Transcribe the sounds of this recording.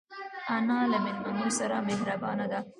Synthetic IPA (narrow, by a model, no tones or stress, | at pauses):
ɐnaːlɐmɪnɐnuɾsɐɾaːmeɦɾɐbaːnɐd̪a